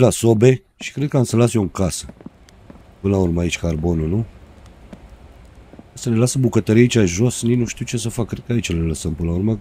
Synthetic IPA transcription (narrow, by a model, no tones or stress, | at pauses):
lasobe̞ | ʃi̥kɾed̪̚kəamsəlasjouŋkasə | pɨnlaurməait͡ʃʲkarbo̞nunu | asəlelasəbukət̪əɾiait͡ʃʲaʒo̞sninuʃt̪iwt͡ʃe̞səfakːɾed̪̚kəait͡ʃəleləsəmpɨnlaurmə